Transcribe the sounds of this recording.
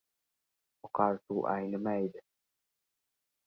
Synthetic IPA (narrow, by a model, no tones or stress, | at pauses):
wɑqɑːlt̪uʔa̰jnamad̪a